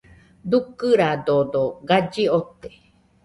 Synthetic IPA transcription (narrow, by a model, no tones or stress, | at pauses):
d̪ukɨɾad̪od̪oɡad͡ʒiot̪e